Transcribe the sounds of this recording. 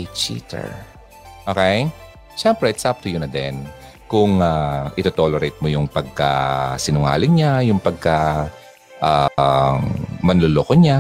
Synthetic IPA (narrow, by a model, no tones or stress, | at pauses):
t͡ʃḭt̪ɛ̰ɹ | ʔokɛj | ʃɛmpɾɛɪt̪sɐp̚t̪ʊjʊnɐd̪ɛ̰n | kʊŋaʔɪt̪ot̪oːlɛɾejt̪̚mojʊŋpɐɡ̚ka̰sɪnʊŋa̰ːlɪɲajʊŋpɐɡ̚ka | ʔa | mɐnloːloːkoɲa